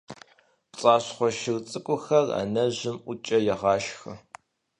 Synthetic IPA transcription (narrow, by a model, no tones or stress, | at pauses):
pt͡sʼɑːɕχʷɔʃɪrt͡sʼɨkʷʼʊxɐra̰nɐʑɪmʔʷʊt͡ʃʼɐjɛʁɑːʃxɐ